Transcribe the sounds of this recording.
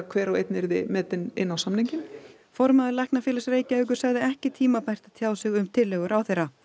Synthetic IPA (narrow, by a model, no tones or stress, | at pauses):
kʰvɛːɾawḛjt̪nɛɾðɪmɛːt̪ɪnɪnːawsamniɲcɪm | fɔɾmaðɪɾlajhknafɪːlasreːjcaʏːk̬ʏɾ̥saɣðɪɛhcɪt̪ʰiːmapajr̥t̪aðt̪ʰjaːwsɪɣʏmt̪ʰɪlːɛɣʏɾʔawθejra